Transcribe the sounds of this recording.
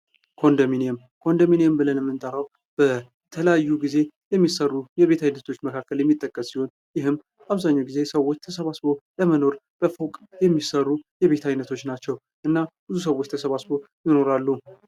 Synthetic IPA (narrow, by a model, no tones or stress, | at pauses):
kʰo̞nd̪omineem | kʰo̞nd̪omineembɨlənɨmːɨnt̪ʼəɾaw | b̥ə | t̪ʰələjajːuɡize̞jɛmːisərːujɛβe̞t̪ʰajnət̪ʰo̞t͡ʃːməkʰakʰːəljɛmːit̪ʼːəkʼːəsːiho̞n | jɪɦɨmː | aβzaɲːawɡize̞səwo̞t͡ʃːt̪ʰəsəβasβo̞ləməno̞ɾb̥əfəwkʼjɛmːisərːujɛβe̞t̪ʰajnət̪ʰo̞t͡ʃːnat͡ʃːɛw | ʔɨnːab̥ɨzus̬əwot͡ʃːt̪ʰəsəβasβo̞jɪno̞ɾalːu